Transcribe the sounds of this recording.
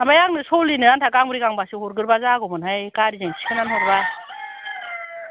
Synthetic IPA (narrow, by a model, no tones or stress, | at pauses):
amajaŋnɯsɔlinɯantʰakaŋmɯɾikaŋbasɯhɔɾɡɯɾbazaɡɔmɯnhajkaɾizeŋsʰi̥kʰɯnanhɔɾba